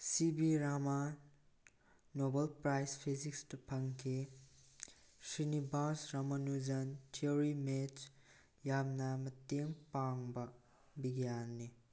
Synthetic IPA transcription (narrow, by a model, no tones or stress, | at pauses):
sibiɾama | nobɐlpɾajspʰizikstɐpʰɐŋkʰe | sinibasɾamɐnuzɐntʰioɾimet͡ʃ | jamnɐmɐteŋpaŋbɐ | biɡijanːi